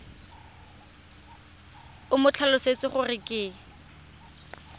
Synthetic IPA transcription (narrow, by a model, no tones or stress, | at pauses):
ʊmʊt͡ɬʰalʊset͡sɪχʊrɪkʼeː